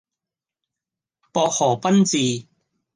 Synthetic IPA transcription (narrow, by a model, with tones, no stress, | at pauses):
pɔː˧k̚hɔː˨˩pɐ˥nt͡siː˨